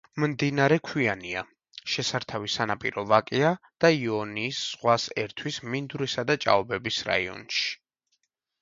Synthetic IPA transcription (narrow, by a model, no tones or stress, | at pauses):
mmd̪inaɾɛkʰwiania | ʃɛsaɾt̪ʰavisanapʼḭɾɔvakʼia | d̪̥aiɔniːsz̥ʁwasɛɾt̪ʰwismind̪uɾisad̪at͡ʃʼa̰ɔbɛbisɾa̰iɔ̰nʃi̥